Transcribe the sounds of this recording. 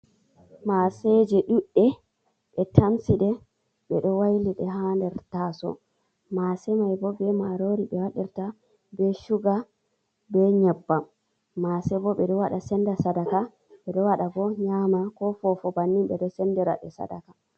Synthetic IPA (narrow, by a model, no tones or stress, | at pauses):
masɛd͡ʒɛɗuɗːɛ | ɓɛtʰamsiɗɛ | ɓɛɗɔwajliɗɛɦandɛɾtasɔ̰ | masɛmajbɔbɛmaɾoɾiɓɛwaɗiɾta | bɛʃuɡa | bɛɲɛbːa | masɛbɔɓɛɗɔwaɗasɛndasadaka | ɓɛɗɔwaɗaɡɔɲamakɔfɔfɔbanːimɓɛɗɔsɛndɛɾa̰ɗɛsa̰da̰ka